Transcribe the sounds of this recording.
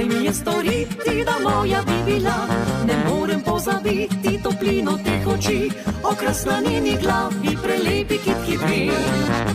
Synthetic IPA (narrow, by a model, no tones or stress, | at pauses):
mijɛst̪ɔɾit̪id̪amɔjabibilanɛmoːɾɛmpɔzabit̪ːit̪ɔplinɔt̪ekɔt͡ʃiɔkɾasnaneniɡlafipɾɛleːpikit̪kibɾi